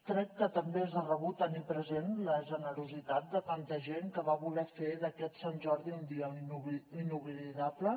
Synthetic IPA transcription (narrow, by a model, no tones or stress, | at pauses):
k̪ɾɛkːət̪əmbeɛzðərəβ̞ut̪ənipɾəzenləʒənəɾuzit̪at̪̚d̪ət̪ant̪əʒeŋkəβaβulɛfeðəkɛt̪sanʲʒɔɾðiund̪iənuinuɣliðaplə